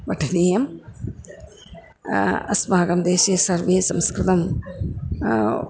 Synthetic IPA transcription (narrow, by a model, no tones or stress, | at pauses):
bɐʈʰːɐniːjɐm | ɐ̰smaːɡɐmd̪eːɕiɐsɐrʋisɐmskɾɨt̪ɐm